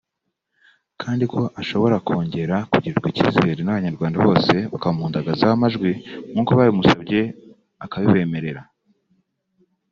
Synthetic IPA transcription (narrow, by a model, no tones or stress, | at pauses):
kʰaːndikʰo̞ʔaʃo̞βo̞ɾakʰo̞ːɲɟe̞ɾakuɟiɾɡwiciːzeeɾenaβaɲaɾɡwaːndaβo̞ːse̞βakamhuːndaɡazahamaʒɡwimuːkoβaːɾimusab̚ɟe̞ | akaβiβe̞ːme̞ɾe̞ɾa